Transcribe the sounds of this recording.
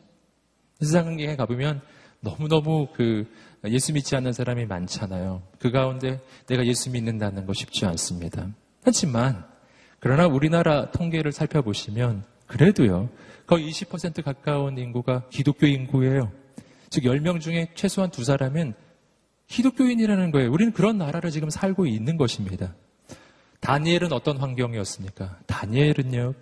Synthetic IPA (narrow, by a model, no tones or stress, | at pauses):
es̬ʰaŋanɡeŋekabomjʌnː | ʌmunʌmukɯje̞sʰumit̚t͡ɕ͈ianːɯnsʰaɾamima̰nt͡ɕʰanajokɯɡaunde̞ne̞ɡaje̞s͈ʰumiːnːɯndanɯnɡʌɕʰi̥p̚t͡ɕ͈ians͈ɯmɲida | had͡ʑʰiman | kɯɾʌnauɾinaɾatʰoŋɡe̞ɾɯɭsʰaɭpʰjʌboɕʰimjʌn | kɯɾe̞dojokʌiiɕʰipʰːʌsʰe̞ntʰɯkak͈auninɡuɡakidok͈̚joinɡue̞jo | t͡ɕɯkjʌɭmjʌŋd͡ʑuŋe̞t͡ɕʰwe̞sʰoɦantus̬ʰaɾamen | kʰidok͈joiɲiɾanɯnɡʌejouɾinɯnkɯɾʌnːaɾaɾɯɭt͡ɕiɡɯmsʰaɭɡoinːɯnɡʌɕʰimɲida | taɲe̞ɾɯnʌt͈ʌnɸwaŋɡjʌŋiʌs͈ɯmɲik͈ataɲeɾɯno